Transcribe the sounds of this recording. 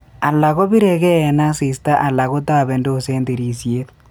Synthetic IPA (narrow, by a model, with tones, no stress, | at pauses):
a˨la˨ɣo˦βi˦ɾe˨ɣeː˦˨na˦si˨sta˦ʔa˨la˨ɣo˦taβe˨ndo˦o˨seː˦nde˨ɾisjeð